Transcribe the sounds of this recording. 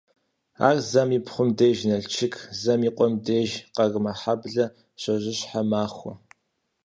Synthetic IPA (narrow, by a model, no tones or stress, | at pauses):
a̰ːrzɐmipχʷʊmdeːʒnɐɬt͡ʃʰɪkʰzɐmiːqʷʼɔmdeːʒqɐɣmɐħabɮɐ | ɕɐʑɪɕħamaːχʷɔ